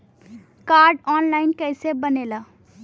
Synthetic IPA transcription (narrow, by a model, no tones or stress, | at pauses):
kaːɾɖɔːnlaːɪnkəɪsebənela